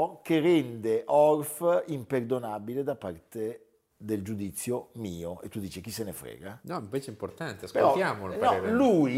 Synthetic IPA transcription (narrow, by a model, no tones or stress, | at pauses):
kerɛnd̪eʔɔrfimperd̪onaːbiled̪apːart̪e | d̪eld͡ʒud̪it̪sːjomiːoḛt̪ːud̪ːiːt͡ʃek̟isenefɾɛ̰ːɡanɔimpeːt͡ʃeimport̪ant̪easkpeɾɾɔjaːmolanaɔeɾlui